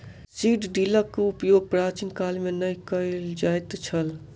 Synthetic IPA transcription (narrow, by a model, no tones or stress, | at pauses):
siɖɖiləkːoupjoɡ̚pɾat͡ʃinkalmenəjkəɪld͡ʒajt̪t͡ʃʰəl